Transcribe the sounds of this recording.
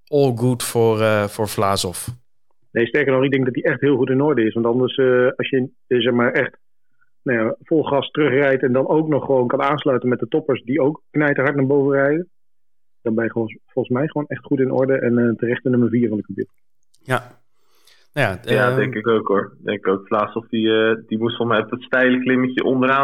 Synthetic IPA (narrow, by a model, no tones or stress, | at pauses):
ɔːlˠɡutfɔrfʊːɹflaːsɔf | nejstɛɹkəɹnɔχɪɡ̚dɛŋɡ̚dɑt̚diɛχtɦɪːlˠχutɪnɔɹdəɪsʋɑntɑndəɹsəɑsjə | zɛχmaːɹɛχt | najafɔlˠχrɑstərɵχrɛjtɛndɑnowknɔχːəʋownkɑnaːnslœɥtənmɛt̚dətɔpəɹsdiowkːnɛjtəɦɑɹtnaːɹbowvənrɛjdən | d̥ɑnbɛjəfɔlˠχənsmɛjχəʋownɛχtχutɪnʔɔ̰ɹdəʔɛnəːtərɛχtənɵməɹviːɹvɑnɪkədɪ̰t | jaːdɛŋkɪkowkɦʊɹdɛ̰ŋkɪkowkflaːsɔfdiədimutfɔlˠsmɛjɔpdətstɛjləklɪməcəʔɔndəɾaː